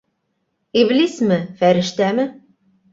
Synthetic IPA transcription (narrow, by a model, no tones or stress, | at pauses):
iβlismɘfæɾɘ̆ʃt̪æmɘ̆